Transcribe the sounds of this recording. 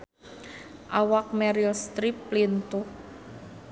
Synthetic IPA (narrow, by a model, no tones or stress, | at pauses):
ʔawak̚mɛɾilst̪ɾiplint̪uh